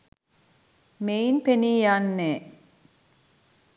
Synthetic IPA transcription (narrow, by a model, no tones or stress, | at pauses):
meinpeniːjanːeː